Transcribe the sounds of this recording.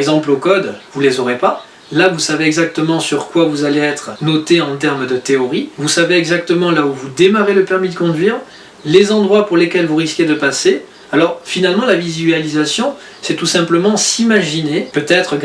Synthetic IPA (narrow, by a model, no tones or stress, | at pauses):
ɡzɑ̃plokɔd̪vulezɔʁepa | lavusaveɛɡzak̚t̪əmɑ̃syʁkwavuzaleɛt̪χnɔt̪eɑ̃t̪ɛʁmd̪ət̪eɔʁivusaveɛɡzak̚t̪əmɑ̃lauvud̪emaʁeləpɛʁmid̪əkɔ̃d̪ɥiːʁ | lezɑ̃d̪ʁwapuʁlekʲɛlvuʁiskʲed̪əpase | alɔʁfinalmɑ̃lavizɥalizasjɔ̃ | sɛt̪usɛ̃pləmɑ̃simaʒinepøt̪ɛt̪χəɡ